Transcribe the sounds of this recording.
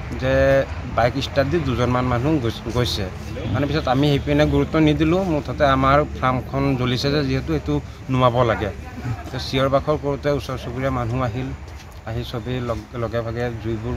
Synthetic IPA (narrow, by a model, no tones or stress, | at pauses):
zɛ | bajkistadiduzɔnmanmanũɡojsɛ | manɛpisɔtamihepiinɛɡuɹut̪ːɔnidilʊ̃mʊtʰɔtɛamaɹpʰɹamkʰɔnzolisɛzɛziɦɛtuetu | nʊabɔlaɡɛtɛsiɔɹbakʰɔɹkoɹutɛusɔɹsokuɹijamanũaɦil | aɦisɔbilɔɡɛbʱaɡɛzujbʊɹ